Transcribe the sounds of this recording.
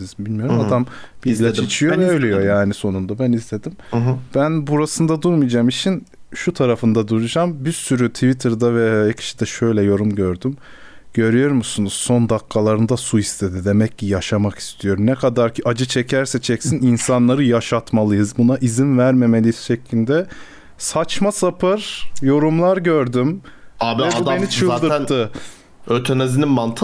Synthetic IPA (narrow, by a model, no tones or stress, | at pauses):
izbilʲmijo̞ɾumad̪ambiilʲat͡ʃit͡ʃʰijovɛøjlʲejojaːniso̞nund̪abænizlʲe̞d̪imb̥ænbuɾasɯnd̪ad̪uɾmijd͡ʒaːmit͡ʃʰin | ʃut̪ʰaɾafɯnd̪ad̪uɾud͡ʒambisyɾyt̪ʰivit̪ʰɯɾd̪avɛecʰi̥ʃi̥d̪ɛʃø̞jlʲɛjo̞ɾumɟø̞ɾd̪ym | ɟ̥ø̞ɾyjo̞ɾmusunuz̥so̞nd̪akʰːalˠaɾɯnd̪asuist̪ʰe̞d̪id̪e̞mɛccːijaʃamaki̥st̪ʰijo̞ɾmnɛkʰad̪aɾcʰiʔad͡ʒɯt͡ʃʰɛcʰæɾsɛt͡ʃʰɛcsininsanlˠaɾɯjaʃat̪malˠɯjɯzbunaʔizinvæɾme̞me̞lʲijsʃeclʲilʲd̪ɛ | sat͡ʃmasapʰɯɾ̥jo̞ɾumlˠaɾɟøɾd̪ymabɛbudbemnit͡ʃʰɯlːˠd̪ɯɾt̪ʰːɯ | øt̪ʰenezininmant̪ʰ